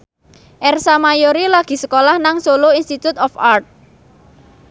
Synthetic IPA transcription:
ʔɛrsamajoɾilaɡ̥i̤səkolahnaŋsoloinst̪it̪ut̪ɔfart̪̚

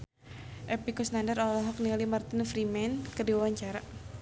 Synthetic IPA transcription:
ʔɛpikusnandəɾɔlɔɦɔk̚nilimart̪ɪnfɾimɛnkədiwawaɲt͡ʃaɾa

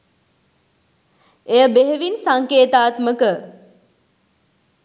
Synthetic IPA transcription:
ejəbeɦeʋinsaŋkeːt̪aːt̪məkə

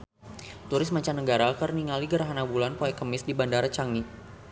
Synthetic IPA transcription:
t̪uɾɪsmat͡ʃanəɡaɾakərniŋaliɡəɾaɦanabulanpoɛkəmɪsdibandaɾat͡ʃaŋni

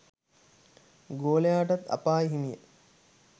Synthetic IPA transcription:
ɡoːlejaːʈat̪a̰paːiɦimijə

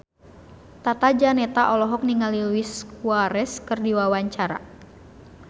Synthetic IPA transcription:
t̪at̪ad͡ʒanɛt̪aʔɔlɔɦɔk̚niŋalilwiskuaɾɛskɨrdiwawaɲt͡ʃaɾa̰

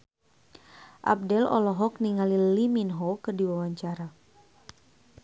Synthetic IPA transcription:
ʔa̰p̚dɛlɔ̰lɔɦɔkniŋaliliminɦokɨrdiwawaɲt͡ʃaɾa

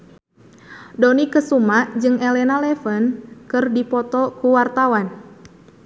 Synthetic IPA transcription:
dɔnikəsumad͡ʒɨŋʔɛlɛnalɛfənkɨrdipɔt̪ɔkuwart̪awan

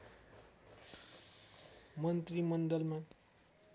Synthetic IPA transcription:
mʌnt̪rimʌnd̪ʌlma

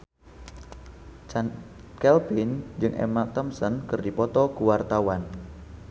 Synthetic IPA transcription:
kɛlpɪnd͡ʒɨŋʔɛ̰mat̪ɔmsənkɨrdipɔt̪ɔkuwart̪awan

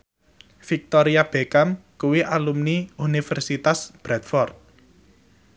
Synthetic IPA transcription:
fik̚t̪ɔɾiab̥e̤kamkuwiʔalumniunifɛrsit̪asb̥ɾɛt̪̚fɔrt̪̚

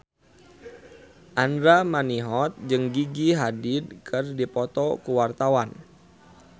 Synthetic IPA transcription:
ʔandɾamaniɦɔt̪̚d͡ʒɨŋɡiɡiɦadɪdkʰɨrdipɔt̪ɔkuwart̪awan

